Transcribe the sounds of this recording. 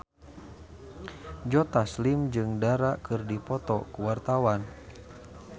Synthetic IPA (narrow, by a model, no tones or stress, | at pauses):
d͡ʒɔt̪aslimd͡ʒɨŋdaɾakɨrdipɔt̪ɔkuwart̪awan